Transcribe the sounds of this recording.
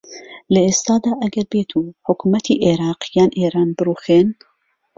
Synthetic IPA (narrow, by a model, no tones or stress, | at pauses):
lɐeːst̪ɑːd̪aːʔɐɡɐɾbeːt̪ʰuːħʊkʰumɐt̪ʰiːʔeɾɑːqjɑːnʔeːɾɑːnbɨɾuːxen